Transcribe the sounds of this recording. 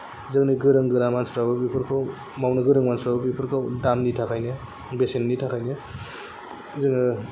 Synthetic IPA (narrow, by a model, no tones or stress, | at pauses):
zɯŋniɡɯɾɯŋɡɯɾamanspɾabɐbipʰɯɾkʰaw | mawnɯɡɯɾɯŋmansɾabɐbipʰɯɾkʰawdamnitʰakʰajne | besennitʰakʰajne | zɯŋnɯ